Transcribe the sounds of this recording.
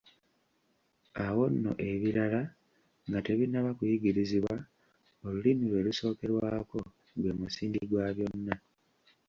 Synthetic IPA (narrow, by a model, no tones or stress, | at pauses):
awo̞nːo̞̰ʔe̞βiɾala | ŋɡate̞βinːaβakujiɡiɾiziβwa | o̞lulimiɾwe̞ːluso̞ːke̞ɾwaːko̞ | lweːmusiːndiɡwaβjo̞nːa